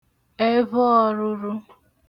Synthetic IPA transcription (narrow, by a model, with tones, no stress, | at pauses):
e˦βɔ˦ɔ˦ɾʊ˦ɾʊ˦